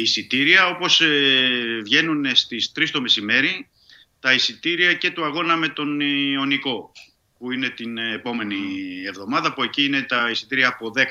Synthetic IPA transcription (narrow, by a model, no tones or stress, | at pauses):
isit̪iɾiɐo̞po̞sevʝe̞nunest̪ist̪ɾist̪ome̞sime̞ɾi | t̪ɐisit̪iɾiɐce̞t̪uɐɣo̞nɐme̞t̪o̞nio̞niko̞ | puine̞t̪inepo̞me̞nie̞vðo̞mɐðɐpue̞ciine̞t̪ɐisit̪iɾiɐːpo̞ðe̞k